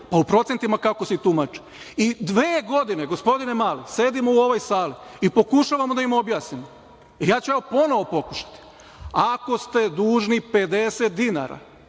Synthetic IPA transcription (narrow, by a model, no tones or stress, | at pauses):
paupɾo̞t̪e̞nt̪imakako̞sit̪umat͡ʃi̥ | id̪ʋeːɡo̞d̪ine̞ɡo̞spo̞d̪ine̞maːlise̞d̪imouo̞ʋojsaːliipo̞kuʃaʋamod̪aimobjaːsnimo | ijaːt͡ɕujaʋopo̞no̞ʋo̞po̞kuʃḁt̪i̥ | ako̞st̪e̞d̪uːʒnipe̞d̪e̞set̪̚d̪ina̰ɾa̰